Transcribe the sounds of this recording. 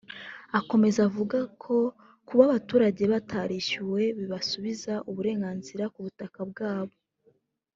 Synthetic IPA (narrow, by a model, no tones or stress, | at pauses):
ako̞me̞zavuɡakʰo̞ | kuβaβatuːɾaɟe̞βatʰaɾiʃuwe̞βiβasuβizaʔuβuɾe̞ːŋɡaːnziɾakuβutakab̚ɡaːβo̞